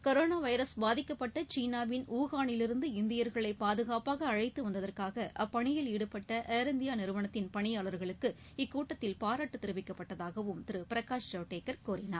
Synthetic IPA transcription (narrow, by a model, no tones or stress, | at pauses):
kɐɾoːnaːʋɐɪɾɐsbaːðɪkːɐpːɐʈːɐt͡ʃiːnaːʋɪnuːɣaːɳɪlɪɾɯnd̪ɯɪnd̪ɪjɐɾɣɐɭɐɪpaːðɯɣaːpaːɣɐːɻɐɪt̪ːɯʋɐnd̪ɐðɐrkaːɣɐʔɐpːɐɳɪjɪliːɽɯpːɐʈːɐʔeːɾɛnd̪ɪjaːnɪɾɯʋɐnɐt̪ːɪnpɐɳɪjaːɭɐɾɣɐɭɯkːɯ | ɪkːuːʈːɐt̪ːɪlpaːɾaːʈːɯt̪ːɪɾɯʋɪkːɐpːɐʈːɐðaːɣɐʋɯmt̪ɪɾɯpɪɾɐkaːʂt͡ʃɐːʈːeːkːɐɾkuːɾɪna̰ːɾ